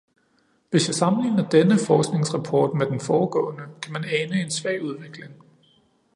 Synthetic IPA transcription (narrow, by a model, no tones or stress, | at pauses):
ʋe̝sjäsɑ̈mn̩lḭːnɐd̥enəfɒːsɡ̥ne̝ŋsʁɑ̈pʰɒ̰ːd̥med̥enfɒːɡ̥ɔ̰̽ːnəkʰæmænɛːnəe̝nsʋɛ̰ːuð̞ˠʋe̝ɡ̥le̝ŋ